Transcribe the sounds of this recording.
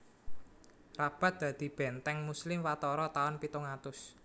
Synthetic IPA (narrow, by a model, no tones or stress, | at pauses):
rab̥a̤t̪̚d̪̥a̤d̪̥i̤b̥ɛ̤nt̪ɛŋmuslɪmwat̪ɔɾɔt̪aɔnpit̪uŋat̪ʊs